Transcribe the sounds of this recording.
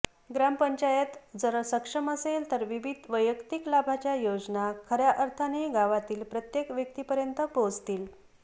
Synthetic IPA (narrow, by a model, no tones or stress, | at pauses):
ɡɾampəɲt͡ɕajət̪d͡zəɾəsəkʂəməselt̪əɾʋiʋid̪ʱʋəjəkt̪iklabʱat͡ɕjajod͡znakʰəɾjaʔəɾt̪ʰaneɡaʋat̪iːlpɾət̪jekʋjək̚t̪ipəɾjənt̪əpod͡zt̪iːl